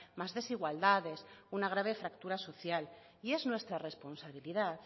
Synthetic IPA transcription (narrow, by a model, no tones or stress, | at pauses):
mazðe̞siɣwald̪aðesunaɣ̞ɾaβ̞efɾak̚t̪uɾaso̞θjal | ieznwe̞st̪ɾaresponsaβ̞iliðat